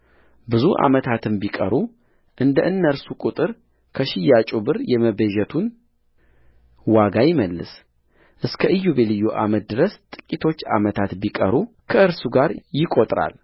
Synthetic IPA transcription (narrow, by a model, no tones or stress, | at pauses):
bɨzuʔa̰mət̪ʰat̪ʰɨmbikʼə̰ɾu | ʔɨnd̪əʔɨnːəɾsukʼut̪ʼɨɾ | kʰəʃɪjːat͡ʃʼubɨɾjɛməbəʒɛt̪ʰun | waɡajɪməlːɨ̰s | ʔɨskʰəʔɨjːuβelɨjːuʔa̰mət̪̚d̪ɨɾəst̪ʼɨ̥kʼːit̪ʰo̞t͡ʃːa̰mət̪ʰat̪bikʼə̰ɾu | kʰəɨɾsuɡaɾjɪkʼo̞t̪ʼɾa̰l